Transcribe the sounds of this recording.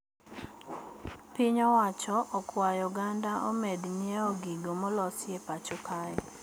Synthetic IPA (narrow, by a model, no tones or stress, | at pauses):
piɲɔwat͡ʃɔʔɔkwajɔɡandaʔɔ̰medɲieɔɡiɡomɔlɔsjepat͡ʃɔkaɛ